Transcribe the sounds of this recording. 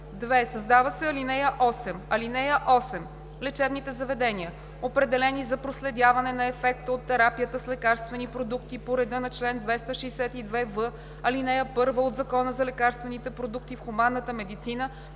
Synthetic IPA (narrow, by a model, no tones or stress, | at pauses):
d̪vɛsɐzd̪avəsɛɐlinɛjəʔɔsɛmɐlinɛjəʔɔsɛm | lɛt͡ʃɛbnit̪ɛzɐvɛd̪ɛniə | opɾɛd̪ɛlɛnizɐpɾoslɛd̪ʲjavɐnɛnɐɛfɛkt̪əot̪ːɛɾapijət̪əslɛkaɾst̪vɛnipɾod̪uk̚t̪ipoɾɛd̪ɤnɐt͡ʃlɛnd̪vɛst̪əʃɛːsɛt̪id̪vɛvɤ | ɐlinɛjəpɤɾvəod̪zɐkɔnəzɐlɛkaɾst̪vɛnit̪ɛpɾod̪uk̚t̪ifxumanːət̪əmɛd̪it̪sinə